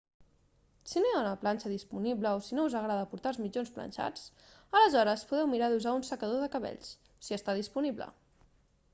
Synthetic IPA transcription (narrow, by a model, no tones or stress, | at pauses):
sinoaunəplanʲt͡ʃəðispunibləosinouzəɣɾaðəpuɾt̪alzmid͡ʒonsplə̰nʲʃa̰t͡s | ələzɔɾəspuðɛwmiɾaðuzaunsəkəðoðəkəβɛ̰ʎs | siəst̪aðispuniblə̰